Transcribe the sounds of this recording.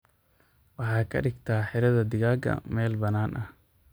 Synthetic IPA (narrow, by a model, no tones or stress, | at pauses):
wɑħɑːkʰɐ̰ɗɪɡt̪ʰaːħɪɾɐðɐd̪ɪɣaːɡɐ̰mɛːlbɐnaːnʔɐh